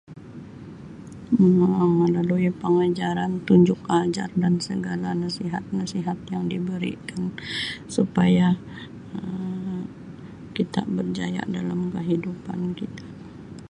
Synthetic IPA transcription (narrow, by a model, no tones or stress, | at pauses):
əaaŋlaluipəŋad͡ʒaɾant̪uɲd͡ʒʊk̚ad͡ʒa̰rdansəɡalanasiɦat̪̚nasiɦat̪jaŋdibəɾḭkansupaja | ə | kit̪a̰bərd͡ʒaja̰ʔdalamkəɦidupa̰nkit̪ḁ